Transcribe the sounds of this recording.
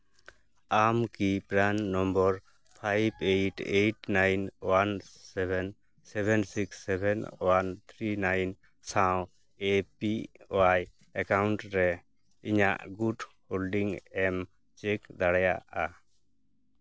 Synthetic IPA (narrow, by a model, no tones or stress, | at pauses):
amkipɾannɔmbɔɾ | pʰajbejʈejʈnajnwansɛbɛn | sɛbɛnsiksːɛbʱɛnwant̪ʰɾinajn | sãw | epiwaj | ɛkawɳʈɾɛ | iɲa̰ʔɡudholɖiŋɛm | t͡ʃɛkd̪aɽaja̰ʔa